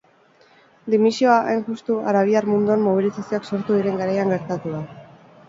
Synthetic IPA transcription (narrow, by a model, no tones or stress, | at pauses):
d̪imisio̞aʔajnʝust̪uaɾaβ̞iaɾmund̪uammoβ̞ilisasio̞akso̞ɾt̪uðiɾe̞ŋɡaɾajaŋɡe̞ɾt̪at̪uða